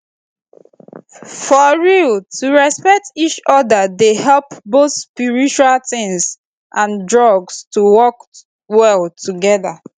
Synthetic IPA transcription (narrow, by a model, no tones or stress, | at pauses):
fɔɹiltʰuɹɛspɛk̚tit͡ʃɔdədehɛlˠpboθspiɹit͡ʃualtɪ̃ŋs | ʔãndɹɔɡstuwɔk | wɛlˠtʰuɡɛða